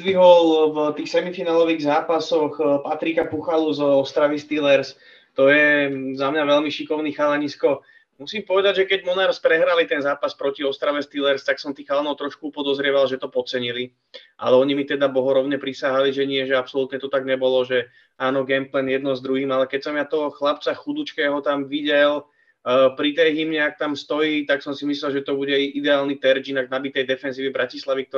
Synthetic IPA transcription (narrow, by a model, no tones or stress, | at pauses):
ʋiɦɔlvt̪iːxsɛmifinaːlɔʋiːɣzaːpasɔxpat̪ɾikapuxaluzɔst̪ɾaʋist̪ilɛɾs | t̪ɔjɛzamɲaʋɛʎmiʃikɔʊnixalaɲiskɔ | musiːmpɔʋɛd̪aɟʒɛkɛɟmɔnaːɾspɾɛɦɾalit̪ɛnzaːpaspɾɔciɔst̪ɾaʋɛst̪ilɛɾst̪aksɔmt̪iːxalanɔʊt̪ɾɔʃkuupɔd̪ɔzɾɪɛʋalʒɛt̪ɔpɔt͡sɛɲili | ʔa̰lɛɔɲimit̪ɛd̪abɔɦɔɾɔʊɲɛpɾisaɦaliʒɛɲɪɛʒɛapsɔlut̪ɲɛt̪ɔt̪aɡɲɛbɔlɔʒɛ | aːnɔɡɛmplɛnjɛd̪̚nɔzd̪ɾuɦiːmalɛkɛcsɔmat̪ɔɦɔxlapt͡saxud̪ut͡ʃkɛːɦɔt̪amʋiɟɛl | pɾit̪ɛjɦimɲɛak̚t̪amst̪ɔjiːt̪aksɔmsimislɛlʒɛt̪ɔbuɟɛʔid̪ɛaːlnit̪ɛɾd͡ʒinaɡnabit̪ɛjd̪ɛfɛnziːʋibɾacislaʋik̚t̪ɔ